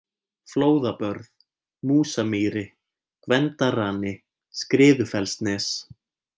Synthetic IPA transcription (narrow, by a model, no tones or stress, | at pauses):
floːwðapœɾð | muːsamiːɾɪ | kvɛnt̪araːnɪ | skɾɪːðʏfɛlst̪nɛs